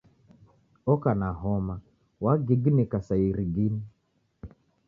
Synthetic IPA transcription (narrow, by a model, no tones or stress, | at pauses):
ɔkanaɦɔma | waɡiɡnikasaiɾiɡini